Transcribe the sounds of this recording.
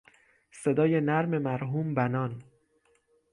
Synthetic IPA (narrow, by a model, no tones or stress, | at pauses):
se̞d̪ɒːjenæɾme̞mæɾɦuːmbænɒːn